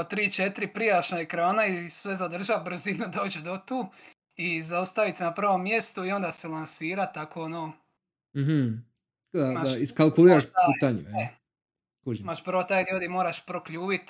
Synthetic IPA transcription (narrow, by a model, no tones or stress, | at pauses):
ot̪ɾiːt͡ʃet̪ɾipɾijaʃnoekɾaːnaisʋezad̪r̩ʒabr̩zinud̪o̞ːd͡ʒed̪ot̪uː | izaust̪aʋit̪senaprɾʋo̞mːje̞st̪uio̞nd̪aselˠansiːɾat̪ːakoonoː | m̩ɦm̩ | d̪aaiskalˠkulˠiɾaʃiːt̪aɲu | kuʒimaʃpr̩ʋot̪aːjd̪iod̪imoːɾaʃpɾokʎuːʋit̪